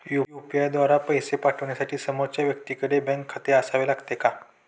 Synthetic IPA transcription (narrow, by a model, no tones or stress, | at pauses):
jujupijajd̪ʋaɾapəjsepaʈʰəʋɳjasaʈʰiːsəmot͡ɕjaʋjək̚t̪iːkəɽebɛ̃ŋkʰːat̪eəsaʋelaɡt̪eka